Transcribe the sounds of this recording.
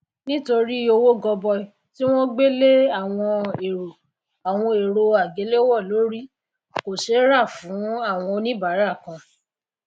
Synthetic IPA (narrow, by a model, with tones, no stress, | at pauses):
nĩ˦to˧ɾi˦o˧wo˦ɡɔ˧bɔ˧˨ | ti˦w̃ɔ̃˦ɡ͡be˦le˦a˦˨w̃ɔ̃˧e˨ɾo˨ | a˨w̃ɔ̃˧e˨ɾo˧a˨ɡe˨˦le˦wɔ˦˨lo˨˦ɾi˦ | ko˨ʃe˨˦ɾa˦˨fũ˨˦a˦˨w̃ɔ̃˧o˧nĩ˦ba˨˦ɾa˦˨kã˧